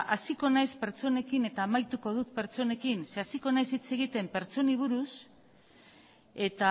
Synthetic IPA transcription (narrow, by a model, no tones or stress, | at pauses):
asiko̞najspe̞ɾt͡ʃo̞ne̞kine̞t̪aːmajt̪uko̞ð̞ut̪pe̞ɾt͡so̞ne̞kinse̞asiko̞najsit͡se̞ɣit̪e̞mpe̞ɾt͡so̞niβ̞uɾus | e̞t̪a